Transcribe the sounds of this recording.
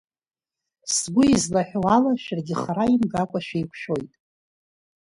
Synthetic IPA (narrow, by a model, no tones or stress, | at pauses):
sɡʷʊizlaħᶣowalaʃᶣarɡʲɪχaɾaimɡakʷʼaʃᶣajkʷʰʃᶣo̞jtʼ